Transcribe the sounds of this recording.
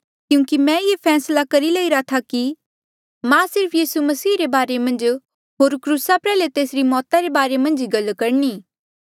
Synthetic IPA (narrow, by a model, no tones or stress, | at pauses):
kjũːkimɛ̃jepʰɛːslakɐɾilɐiɾat̪ʰaki | mãsɪɾpʰjiːsumɐsiːɾebaːɾemɐ̃nd͡ʒ | ɦoːɾkɾuːsapɾɛːlet̪eːsɾimɔːt̪aɾebaːɾemɐ̃nd͡ʒiɡɐlːkɐɾniː